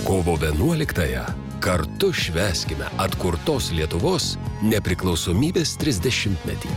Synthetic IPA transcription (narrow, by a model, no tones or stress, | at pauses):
koːʋoːʋʲiɛnuɔlʲɪkt̪ɐjɛ̰ | kɐɾt̪ʊʃʲʋʲæːsʲkʲɪmʲɛ̰ɐt̪kʊɾt̪oːslʲiɛt̪ʊʋoːsnʲɛpʲɾʲɪklˠɒʊsoːmʲiːbʲeːst̪ʲɾʲɪzʲd̪ʲɛʃʲɪmʲt̪ʲmʲɛ̰t̪ʲiː